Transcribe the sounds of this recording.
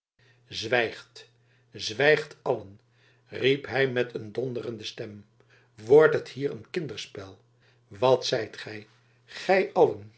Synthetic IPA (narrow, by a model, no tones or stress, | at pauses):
zʋɛjχt | zʋɛjχtʰɑlən | ripɦɛjmɛtʰəndɔndərəndəstɛm | ʋɔɹtɦəthiːɾənkɪndəɹspɛlˠ | ʋɑtsɛjtχɛj | χɛjʔɑlən